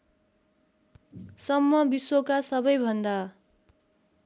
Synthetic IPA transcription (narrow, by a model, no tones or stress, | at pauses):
sʌmːʌbiswokasʌbʌjbʱʌnd̪a